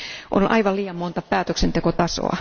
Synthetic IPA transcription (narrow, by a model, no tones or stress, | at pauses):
ʔo̰nʔɑ̰iʋɑliːɑmmont̪ɑpæːt̪øksent̪ekot̪ɑso̰ɑ̰